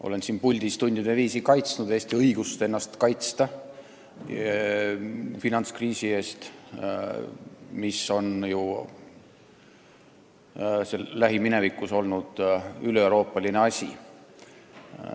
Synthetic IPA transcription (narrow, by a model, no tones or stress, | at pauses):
ʔo̞̰le̞nsiːnpulʲd̪̥ist̪unʲd̪̥id̪̥e̞viːsikɑjt̪snud̪̥eːsʲt̪iɤiɡ̥ust̪e̞nːɑst̪kɑjt̪st̪ɑ | finɑnt̪skriːsie̞ːst̪ | miso̞nju | selæɦimine̞vikːˑuso̞lnud̪̥ylewɾo̞ːpːˑɑline̞ɑsʲḭ